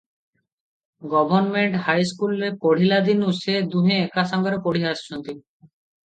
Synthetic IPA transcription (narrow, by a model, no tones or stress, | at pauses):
ɡɔbʱonmeɳʈɦajskulepoɽ̤ilad̪inuʃed̪uɦeekaʃaŋɡaɾepoɽiɦaʃʃont̪i